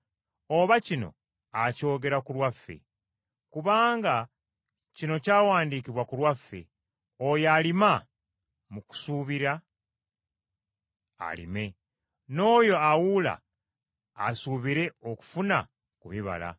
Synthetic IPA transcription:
o̞βacino̞̰ | aco̞ːɡe̞ɾakulwafːe̞̰ | kuβaːŋɡa | cino̞caːwaːndiːkiβwakulwafːe̞̰ | o̞jalima | muku̥suːβiɾa | a̰lḭme̞ | no̞ːjo̞awula̰ː | suːβiɾe̞oku̥funa | kuβiβa̰la̰

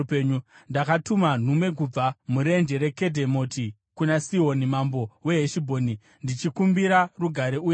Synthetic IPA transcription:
peɲundakatuman̤umwe̞k̬ub͡vamuɾe̞nd͡ʒeɾe̞ke̞dʱe̞mo̞ti | kunasiɦo̞nimambo̞we̞ɦeʃibʱo̞ːni | ndit͡ʃikumbiɾaruɡʱaɾeuːj

